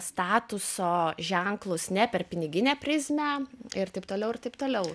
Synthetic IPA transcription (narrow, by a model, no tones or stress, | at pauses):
st̪ɑːt̪ʊsoːʒʲɛŋklˠʊsnʲɛpʲɛrpʲɪnʲɪɡʲɪnʲeːpʲɾʲɪzʲmʲɛɪɾt̪ɐɪpt̪oːlʲɛʊɪrt̪ɐɪpt̪oːlʲɛʊ